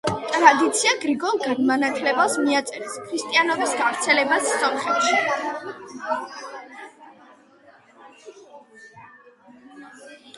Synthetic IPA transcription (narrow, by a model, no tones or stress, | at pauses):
t̪ʼɾad̪it̪sʰiaɡɾiɡɔnɡɛd̪manat̪ʰlɛbasmiat̪sʼɛɾskʰɾist̪ʼianɔbisɡavɾt̪sʰɛlɛbasːɔmχɛp̪ʃi